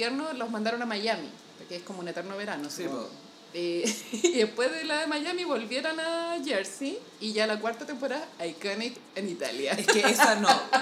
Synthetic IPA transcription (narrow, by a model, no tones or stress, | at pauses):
jeɾnolomand̪aɾo̞namajamḭ | pokeehkomounet̪eɾnoβeɾanosio | eðepwezðelaðemaʝamiβo̞lβje̞ɾonaʝeɾsiː | ʝalakwaɾt̪at̪empoɾaðaːjkanik | enit̪a̰ljaeeesano